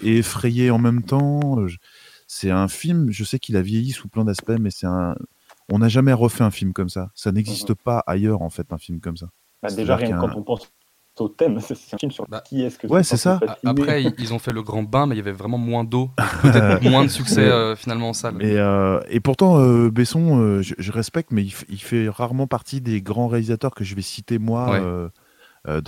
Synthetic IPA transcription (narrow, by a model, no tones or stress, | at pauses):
eefχɛjeɑ̃mɛmt̪ɑ̃øʒ | sɛt̪ɛ̃filmʒəsɛkilavjejisuplɛ̃d̪aspɛmɛsɛt̪ɛ̰̃ | ɔ̃naʒamɛʁəfɛɛ̃filmkɔmsasanɛɡzist̪əpaʔa̰jœʁɑ̃fɛt̪ɛ̃filmkɔmsa | basd̪eʒaʁjɛ̃kɑ̃k̪ɔ̃pɑ̃s | ot̪ɛmsɛsɛt̪ɛ̃filmsyʁakʰʲiɛskəwɛsɛsafasianeχɛiilzɔ̃fɛləɡʁɑ̃bɛ̃mɛijavɛvʁɛmɑ̃mwɛ̃d̪oəɛt̪mwɛ̃d̪əsyksɛøfinalmɑ̃ːsaleøepuʁt̪ɑ̃øbesɔ̃øʒəʒəʁɛspɛk̚t̪mɛilfilfɛʁaʁmɑ̃paʁt̪id̪eɡʁɑ̃ʁealizat̪œʁkəʒəvɛsit̪emwawɛø | ø̰d̪̃